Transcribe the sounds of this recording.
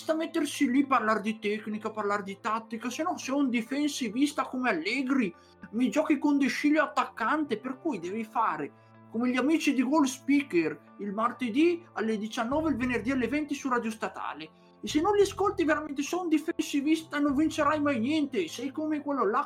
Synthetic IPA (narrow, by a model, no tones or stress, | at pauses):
st̪amɛt̪ːersiliparlard̪it̪ɛknikaparlard̪it̪at̪ːikasenɔseɛund̪ifɛnsivist̪akomealːɛɡɾi | mid͡ʒɔkikond̪eʃiʎjoat̪ːakːant̪eperkujd̪ɛːvifaːɾe | komeʎamiːt͡ʃid̪iɡolspiker | ilmart̪ed̪ialːed̪it͡ʃanːɔːveilvenerd̪ialːevɛnt̪isurad̪jost̪at̪a̰ːle | esenːõnliaskolt̪iveɾamɛnt̪esɔund̪ifɛnsivist̪anõɱvint͡ʃeɾajmajnjɛnt̪esɛjkomekwɛlːola